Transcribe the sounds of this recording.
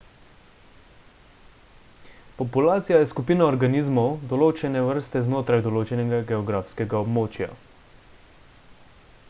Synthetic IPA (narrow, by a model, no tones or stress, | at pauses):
pɔpulaːt̪sijajɛskupiːnaɔɾɡaniːzmɔwd̪ɔloːt͡ʃɛnɛʋəɾst̪ɛznoːt̪ɾajd̪ɔloːt͡ʃɛnɛɡaɡɛɔɡɾaːfskɛɡaɔbmoːt͡ʃja̰